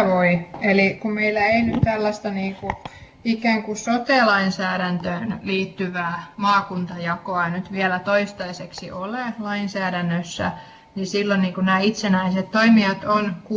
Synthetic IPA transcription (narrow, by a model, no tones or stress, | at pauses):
ʋoielikumeilːæeinyt̪t̪ælːæst̪ɑniːku | ikæːŋkusot̪eˑlɑinsæːɾænt̪øːnliːt̪ːyʋæːmɑːkunt̪ɑjɑkoɑnyt̪ʋiælæt̪oist̪ɑiseksḭʔolelɑinsæːɾænːøsːæ̰ | nisilːonniːŋkunæːit̪senæiset̪t̪oimiɑt̪onku